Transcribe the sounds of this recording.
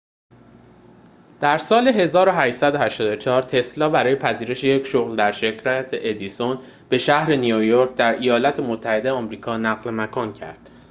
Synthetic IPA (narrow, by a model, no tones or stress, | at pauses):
d̪̥æɾsɒːle̞ɦe̞zɒːɾo̞ɦæʃsæd̪oɦæʃt̪ɒːd̪o̞t͡ʃʰɒːɾt̪ʰe̞slɒːbæɾɒːjepʰæziːɾe̞ʃeje̞cʃoɣld̪æɾʃe̞cʰɾæt̪ʰeʔed̪ison | b̥e̞ʃæhɾe̞nijojoɾcd̪æɾʔejɒːlɒːt̪ʰe̞mot̪ʰːæhe̞d̪ejeɒːmɾiːkʰɒːnæɣlemækʰɒːncʰæ̰ɾd̪̥